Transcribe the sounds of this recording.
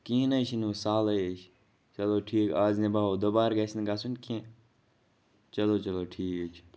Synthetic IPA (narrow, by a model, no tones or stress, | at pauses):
kĩːnɐjt͡ʃʰinusaːlɐjet͡ʃʰ | t͡ʃɐloːʈʰiːkaːznibaːoːd̪obaːɾɡɐsinɡasunkẽ | t͡ʃɐloːt͡ʃɐloːʈʰiːkt͡ʃʰ